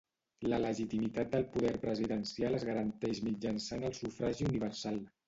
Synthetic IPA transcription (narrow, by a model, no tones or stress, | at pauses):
lələʒit̪imit̪at̪̚d̪əlˠpuðɛɾpɾəziðənsialəzɣəɾənt̪ɛʃmid͡ʒənsanəlˠsufɾaʒiuniβ̞ərsalˠ